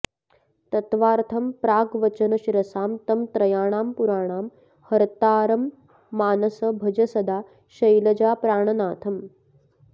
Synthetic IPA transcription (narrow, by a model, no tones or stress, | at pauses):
t̪ɐt̪ʋaːɾt̪ʰɐmpɾaːɡʋɐt͡ʃɐnɐʃiɾɐsaːmt̪ɐmt̪ɾɐjaːɳ̃aːmpuɾaːɳ̃aːm | hɐɾt̪aːɾɐmː | aːnɐsɐbʱɐd͡ʒɐsɐd̪aː | ʃɐjlɐd͡ʒaːpɾaːɳɐnaːt̪ʰɐm